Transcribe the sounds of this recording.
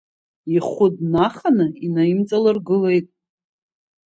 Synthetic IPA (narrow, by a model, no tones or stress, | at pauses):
iχʷʊd̚naχanɨinajimt͡sʼalɨrɡɨle̞jtʼ